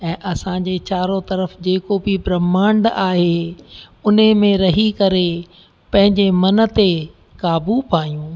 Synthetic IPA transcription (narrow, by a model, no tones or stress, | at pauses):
ɛ̃ːʔɐsãːd͡ʑet͡ɕaːɾot̪ɐɾəfd͡ʑeːkobɪbɾɐmaːɳɖaːɦe | ʊnəmẽɾɐɦikɐɾe | pɐ̃ɦɪ̃ɲd͡ʑemɐnə̆t̪e | kaːbupaːijũː